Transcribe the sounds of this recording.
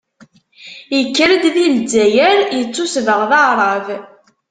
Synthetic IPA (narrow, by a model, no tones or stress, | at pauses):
jəkːəɾəd̪ðild͡zæjæɾjət͡sːusvəʁðɑɾˤɑv